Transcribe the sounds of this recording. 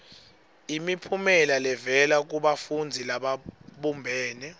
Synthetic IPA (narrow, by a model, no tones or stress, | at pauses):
imipʰumɛlalɛvɛlak̬uɓafund͡zʱilaɓaɓumbʱɛːnɛ